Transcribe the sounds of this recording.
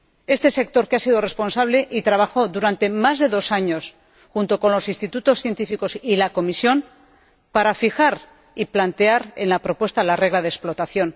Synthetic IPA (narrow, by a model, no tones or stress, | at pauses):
est̪e̞se̞k̚t̪o̞ɾkeasiðore̞spo̞nsaβle̞ʔit̪ɾaβaxo̞ðuɾant̪e̞mazðe̞ðo̞saɲo̞s | xunt̪o̞ko̞nlo̞sinst̪it̪ut̪o̞sθje̞nt̪ifiko̞silako̞misjo̞n | paɾafixaɾ | iplant̪e̞aɾḛnlapɾo̞pwe̞st̪alare̞ɣ̞laðeksplot̪aθjo̞n